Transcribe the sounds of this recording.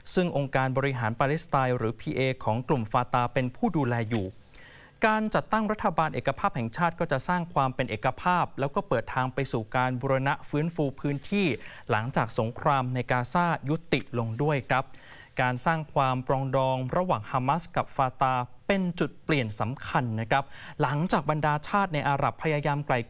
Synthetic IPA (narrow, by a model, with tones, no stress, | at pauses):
sɯ˥˩ŋʔo˧ŋkaː˧nbɔː˧ɾi˦˥ɦaː˩˦npaː˧le˦˥st̪aː˧jɾɯː˩˦pʰiː˧ʔeː˧kʰɔː˩˦ŋklu˨˩mfaː˧t̪aː˧pe˧npʰuː˥˩duː˧lɛː˧juː˨˩ | kaː˧nt͡ɕa˨˩t̪ːa˥˩ŋɾa˦˥t̪ʰːa˧baː˧nʔeː˨˩kːa˧pʰaː˥˩p̚hɛ˨˩ŋt͡ɕʰaː˥˩t̪̚kɔː˥˩t͡ɕa˨˩ʔsaː˥˩ŋkʰwaː˧mpe˧nʔeː˨˩ka˧pʰaː˥˩p̚lɛː˦˥wkɔː˥˩pɤː˨˩t̪ʰːaː˧ŋpa˧jsuː˨˩kaː˧nbuː˧ɾa˧na˦˥ʔfɯː˦˥nfuː˧pʰɯː˦˥nt̪ʰiː˥˩ | la˩˦ŋt͡ɕaː˨˩k̚so˩˦ŋkʰɾaː˧mna˧jkaː˧saː˥˩ju˦˥t̪ːi˨˩ʔlo˧ŋdu˥˩əjkʰɾa˦˥p̚ | kaː˧nsaː˥˩ŋkʰwaː˧mpɾɔː˧ŋdɔː˧ŋɾa˧waː˨˩ŋhaː˧ma˦˥ska˨˩p̚faː˧t̪aː˧pe˧nt͡ɕu˨˩t̪̚pli˨˩ənsa˩˦mkʰa˧nːa˦˥kʰɾa˦˥p̚la˩˦ŋt͡ɕaː˨˩k̚ba˧ndaː˧t͡ɕʰaː˥˩t̪̚na˧jʔaː˧ɾa˨˩pʰːa˧jaː˧jaː˧mkla˨˩j